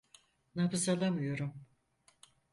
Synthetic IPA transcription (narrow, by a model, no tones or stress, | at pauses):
nafɯsalˠamɯjo̞ɾum